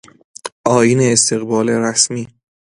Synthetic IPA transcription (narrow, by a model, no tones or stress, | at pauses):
ʔɒːjiːneːst̪ʰe̞ɣbɒːleɾæsmiː